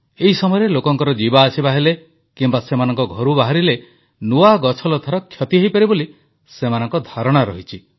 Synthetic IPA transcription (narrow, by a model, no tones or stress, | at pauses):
eɦisɔmɔjɔɾelokɔŋkɔɾɔd͡ʒibaːsibaɦele | kimbasemanɔŋkɔɡʱɔɾubaɦaɾile | nuaɡɔt͡ʃʰɔlɔt̪ʰaɾɔkʰjɔt̪iɦojpɔɾiboli | semanɔŋkɔd̪ʱaɾɔɽ̃aɾɔɦit͡ʃʰi